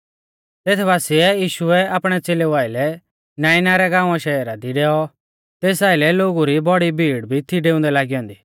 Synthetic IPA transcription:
t̪eːt̪ʰbaːsɪɛjiːʃʊɛaːpɽ̃ɛt͡seːleʋaːɪlɛ | naːɪnaɾɛɡãːʊ̃aʃɛɛɾad̪iɖɛːɔ | t̪eːsaːɪlɛloːɡuɾibɔɽibʱiːɽbʱit̪ʰiɖeːʊ̃nd̪ɛlaːɡiɔ̃ːnd̪iː

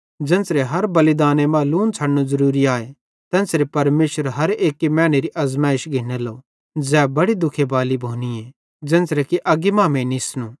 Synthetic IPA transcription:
d͡ʒɛ̃ːnsɾeɦɐɾbɐlɪd̪aːnemãːluːnt͡sʰɐɽnuzɐɾuːɾiaːe | t̪ɛ̃ːnsɾepɐɾmeːsəɾɦɐɾeːkːimɛ̃ːñeɾiʔɐzmaːɪʃɡʱɪneloː | d͡zɛːbɐɽid̪ʊkʰebaːlibʱoːnie | d͡ʒɛ̃ːnsɾekiʔɐɡimãːmẽnisnũː

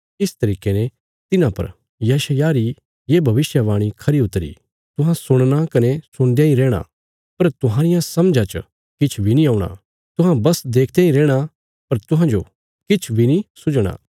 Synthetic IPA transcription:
ɪst̪ɐɾiːkene | t̪ɪnãpɐ̰ɾ | jɐʃəjaɾi | jeːbʱɐʋɪsjaʋaːɽ̃ikʰɐɾiʊt̪ːəɾḭ | t̪ʊɦãsʊɽ̃nakɐnesʊɽ̃d̪ejãːĩɾɛːɽ̃a̰ | pɐɾt̪ʊɦaːɾɪjãsɐmd͡ʒãt͡ʃə̰ | kɪt͡ʃʰbʱinĩaːʊɽ̃a̰ | t̪ʊɦãbɐsd̪eːkʰd̪jeːĩɾɛːɽ̃a | pɐɾt̪ʊɦãd͡ʒo | kɪt͡ʃʰbʱinĩsʊd͡ʒɽ̃a̰ː

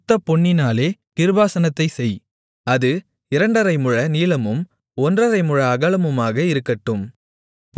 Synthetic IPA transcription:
t̪ːɐpɔɳːɪnaːleːnɪɾɯbaːsɐnɐt̪ːɐɪsɛj | ɐðɯ | ɪɾɐɳɖɐɾɐɪmɯɻɐniːlɐmɯm | ɔndrɐɾɐɪmɯɻɐːɣɐɭɐmɯmaːɣɐɪɾɯkːɐʈːɯm | p

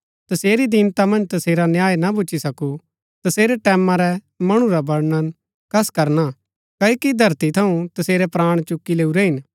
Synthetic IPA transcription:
t̪ɐseːɾid̪ɪnt̪amɐ̃nd͡ʒt̪ɐseːɾanjaːjnabʊːt͡ʃːisɐku | t̪ɐseːɾɛʈɛːmãɾɛ | mɐɽ̃ũɾabɐɽnən | kʰɐskɐɾna | kɐːikid̪ʱɐɾt̪it̪ʰɐũt̪ɐseːɾɛpɾaːɽ̃t͡ʃʊkːileːuɾɛɦɪn

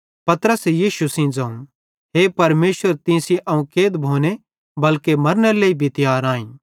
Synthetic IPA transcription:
pɐt̪ɾəsjiːʃusĩd͡zɐ̃ũ | ɦepɐɾmeːsəɾt̪ɪ̃sĩʔɐ̃ũkeːd̪bʱoːne | bɐlkemɐɾnɛleːibʱit̪ɪjaːɾãːĩː

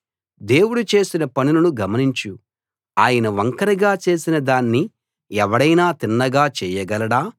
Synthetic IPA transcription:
d̪e̞ːwuɽut͡ʃe̞ːsinɐpɐnilunuɡɐmɐniɲt͡ʃu | aːjɐnɐʋɐŋkɐɾiɡaːt͡ʃe̞ːsinɐd̪aːnːi | ɛʋɐɽɐjnaːt̪inːɐɡaːt͡ʃɛːjɐɡɐlɐɽaː

